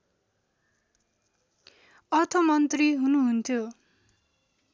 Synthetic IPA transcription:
ʌrt̪ʰʌmʌnt̪riɦunuɦunt̪ʰjo

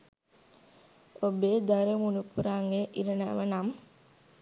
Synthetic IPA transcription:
obeːd̪aɾemunupuɾaŋeʔiɾəna̰ʋənam

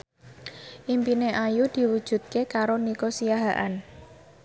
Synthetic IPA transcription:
ʔimpineʔajud̪̥i̤wud̥ʒ̥ṳt̪̚kekaɾonikosijaɦaʔa̰n

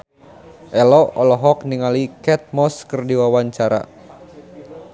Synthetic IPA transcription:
ʔɛlɔɔlɔɦɔk̚niŋalikɛt̪̚mɔskɨrdiwawaɲt͡ʃaɾa̰

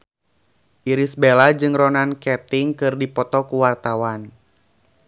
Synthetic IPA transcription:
ʔiɾisbɛlad͡ʒɨŋrɔnankɛt̪iŋkɨrdipɔt̪ɔkuwart̪awan

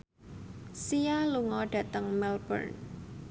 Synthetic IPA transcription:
sialuŋɔɖ̥ä̤t̪əŋmɛlb̥ə̰rn

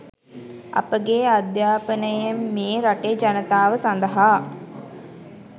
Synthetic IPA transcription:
a̰pəɡead̪jaːpənəjemːeːɾaʈed͡ʒanət̪aːʋəsand̪əɦaː

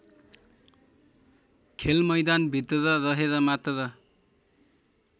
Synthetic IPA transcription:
kʰelmʌjd̪anbʱit̪rʌɾʌɾʌɦeɾʌmat̪ʌɾʌ

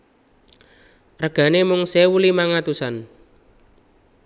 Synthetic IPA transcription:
rəɡ̥a̤nemʊŋsewulimaŋat̪usan

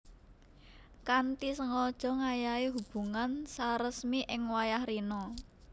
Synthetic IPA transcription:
kant̪isəŋɔd̥ʒ̥ɔ̤ŋajaiɦub̥ṳŋansaɾəsmiʔɪŋwajahɾinɔ

